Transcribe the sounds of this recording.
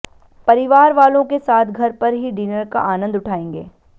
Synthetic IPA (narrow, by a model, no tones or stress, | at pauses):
pɐɾɪʋaːɾʋaːlõkesaːt̪ʰɡʱɐɾpɐɾɦiɖiːnəɾka̰ʔaːnə̃nd̪ʊʈʰaːẽːŋɡḛː